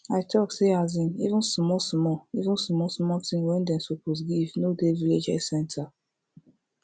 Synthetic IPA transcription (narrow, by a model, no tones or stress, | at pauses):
aɪtʰɔkseazĩnivũnsmɔsmɔivũnsmɔsmɔtĩŋwɛ̃ndɛ̃nsopos̬ɡivnodeviled͡ʒɛ̰sɛ̃ntʰa